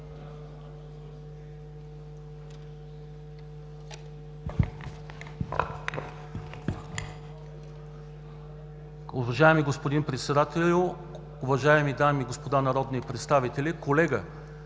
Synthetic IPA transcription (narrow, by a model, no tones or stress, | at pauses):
ʊvɐʒaɛmiɡospod̪inpɾɛt̪sɛd̪at̪ɛlʲʊ | ʊvɐʒaɛmid̪amiːɡospod̪anɐɾɔd̪nipɾɛt̪st̪avit̪ɛlikolɛɡə